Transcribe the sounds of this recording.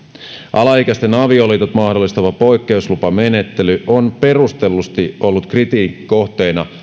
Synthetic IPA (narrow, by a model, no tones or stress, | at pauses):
ʔɑlɑhikæst̪enɑʋiolit̪ot̪mɑhdo̞lːˑist̪ɑʋɑpo̞jkːe̞uslupɑme̞ne̞t̪ːelyʔonpe̞rust̪e̞lːust̪io̞lːut̪krit̪iːkiko̞ht̪e̞ːnɑ̰